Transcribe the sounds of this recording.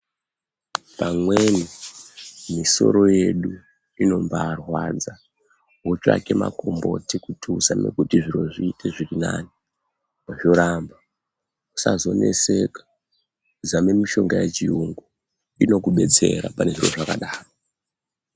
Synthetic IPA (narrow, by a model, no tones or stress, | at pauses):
pamwe̞ni | miso̞̰ɾo̞je̞ɗu | ino̞mbaːrwad͡za | ɦot͡ʃa̰ke̞ma̰ko̞mbo̞tikutʰusame̞̰kutiʐiro̞ʐiːtʰeʐirinaːni | maʐo̞ɾamba | usazo̞ne̞̰se̞kḁ | d͡zame̞miʃo̞ŋɡajet͡ʃiuŋɡu | ino̞kuɓe̞t͡se̞ɾa̰pane̞ʐiro̞̰ʐakaɗaːro